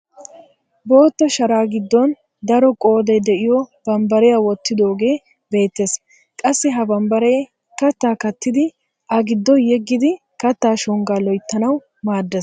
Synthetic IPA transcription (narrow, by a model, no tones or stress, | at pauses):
boːt̪ːɔʃɐɾaːɡɪd̪ːɔn | d̪ɐɾɔkʼo̞ːd̪ɛjd̪ɛʔɪjɔb̥ɐmbɐɾɛjawɔt̪ːɪd̪o̞ːɡe̞ː | be̞ːt̪ːes | kʼɐsːɪɦɐbɐmbɐɾɛ | kɐt̪ːaːkɐt̪ːɪd̪ɪ | ʔɐɡɪd̪ːɔjɛɡːɪd̪ɪ | kɐt̪ːaːʃɔŋɡaːlɔjt̪ːɐnɐw | maːd̪ːɛs